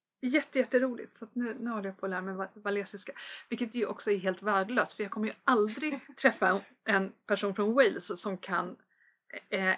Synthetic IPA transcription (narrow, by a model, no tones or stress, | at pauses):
jɛt̪ːəjɛt̪ːəɾuːlɪ̰t̪sɔat̪nʉ̟ːnʉ̟ːhɔlːəjapʰɔd̪ɛhæɾmɛvavalɛːsɪskavɪlkːət̪jɵʔɔ̰ksɔæɾɦeːlt̪væːɖəɭøːst̪fœɾjɑːɡkʰɔmːəjɵald̪ɾɪɡt̪ʰɾɛfːa | ʔɛnpʰæʂuːnfɾɔnwɛlssɔmkʰa̰n